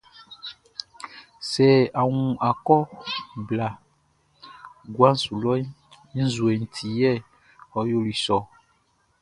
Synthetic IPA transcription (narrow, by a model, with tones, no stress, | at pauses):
sɛ˨a˨ŋũ˨a˨kɔ˦bla˨ | ɡwa˦n̩˦su˨lɔ˦ĩ˦ | zu˨e˨n̩˨t̪ʰi˨jɛ˦˨ | ɔ˨jo˦li˨sɔ˨